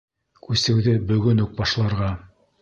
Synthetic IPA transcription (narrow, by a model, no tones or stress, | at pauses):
kʉsɘ̆wðɘbɵ̆ɡɵnuk̚bɑʃlˠɑɾʁɑ